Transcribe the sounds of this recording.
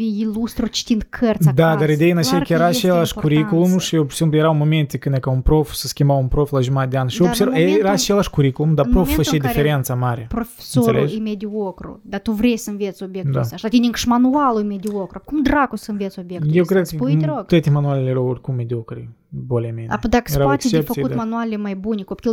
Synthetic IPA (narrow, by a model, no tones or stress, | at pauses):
viilˠust̪ɾut͡ʃi̥t̪int̪kʰərt̪sd̪ad̪aɾid̪ejɨnat͡ʃejkəjeɾat͡ʃelʲˠaʃkuɾikulˠumʃijewsʲimplˠjeɾawmoment̪ʲekɨnekaunpɾofsəskʲimbawunpɾoflˠaʒumat̪̚d̪eanʃiosʲeɾveɾat͡ʃelʲˠaʃkuɾikulˠumd̪apɾoffat͡ʃejd̪ifeɾent̪samaɾʲepɾofʲe̥soselueʒimʲed̪ʲiokɾṵd̪at̪uvrʲesʲɨnvʲet̪sobʲjektd̪asʲaʃt̪at̪ʲinʲiŋkʃmanualˠuimʲed̪ʲiokɾoapkumd̪rakosɨnvʲet̪sobʲjekktjewkɾed̪sp̪ɾot̪ɨt̪ʲimanualʲlʲejɾaworʲkummʲed̪ʲiokɾi | bolʲemʲenaepd̪akseɾapwetkst͡ʃʲepfɐk̪siutd̪manualʲɪmajbunʲɪkopʲkʲi